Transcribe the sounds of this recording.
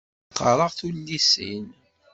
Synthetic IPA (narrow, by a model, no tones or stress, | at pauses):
qːəɾˤəʁθulːisḭn